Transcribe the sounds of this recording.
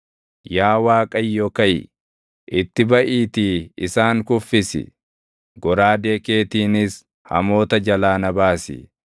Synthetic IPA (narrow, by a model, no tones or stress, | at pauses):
jaːwaːkʼɐjːɔkɐj | ʔɪt̪ːɪbɐʔiːt̪iɪsaːŋkʊfːɪsɪ̰ | ɡɔɾaːd̪e̞ːke̞ːt̪iːnɪs | hɐ̰mo̞ːt̪ɐd͡ʒɐlaːnɐbaːsɪ̰